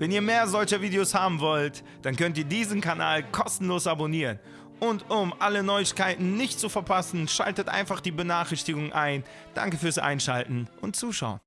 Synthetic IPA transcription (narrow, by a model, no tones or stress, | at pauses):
vɛniːɐmeːɐzɔlçəviːdeoshaːbm̩vɔlt | d̥ankœntiːɐdiːzənkʰana̰ːlkʰɔstn̩loːsʔaboniːʁən | ʔʊntʊmʔalənɔʏɪçkaɪtn̩nɪçtt͡sufɛɐpʰasn̩ʃa̰ltətʔa̰ɪnfaχd̥iːbənaːχɪçtɪɡʊŋʔa̰ɪn | d̥a̰ŋkəfyːɐsʔa̰ɪnʃa̰ltn̩ʔʊntt͡suːʃa̰ʊən